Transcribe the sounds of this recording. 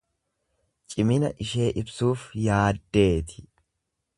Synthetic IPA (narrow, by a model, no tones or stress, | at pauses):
t͡ʃʼɪmɪnɐ̰ʔɪʃe̞ːʔɪbsuːfjaːd̪ːe̞ːt̪ʰɪ̥